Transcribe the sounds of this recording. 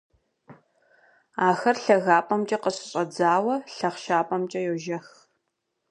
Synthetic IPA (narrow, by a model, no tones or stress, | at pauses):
aːxɐrɬɐɣaːpʼɐmt͡ʃʼɐqəɕʼɪɕʼɐd͡zaːwɐɬɐχʃaːpʼɐmt͡ʃʼɐjoʒɐx